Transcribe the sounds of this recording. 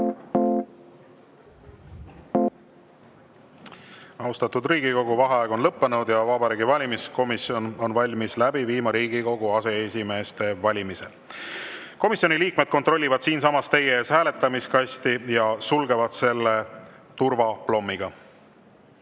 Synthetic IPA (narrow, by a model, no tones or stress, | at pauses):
ɑust̪ɑt̪ud̪riːɡ̥iko̞ɡuvɑɦeɑeɡo̞nlɤpːe̞nud̪̥jɑvɑbɑɾiːɡivɑlʲimisko̞misio̞no̞nvɑlʲmislæbiviːmɑɾiːɡiko̞ɡ̥uɑse̞esʲime̞ːst̪e̞vɑlʲimise̞̰l | ko̞misjo̞niliːkme̞d̪̥̚ko̞nt̪ro̞lʲːivɑd̪̥siːnsɑmɑst̪e̞jeeːshæːle̞t̪ːˑɑmiskɑsʲt̪ijɑsulɡe̞vɑd̪̥se̞lːe̞ | t̪urvɑplo̞mːiɡ̥ɑ